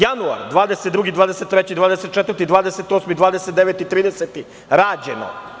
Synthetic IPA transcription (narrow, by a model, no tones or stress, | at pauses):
janua̰ɾd̪ʋaːd̪eset̪d̪ɾuɡid̪vaːd̪eset̪ːɾet͡ɕid̪vaːd̪eset̪t͡ʃet̪vɾt̪id̪ʋaːd̪eset̪osmid̪vaːd̪eset̪eʋet̪it̪ɾiːd̪eset̪i | ɾaːd͡ʑeno̰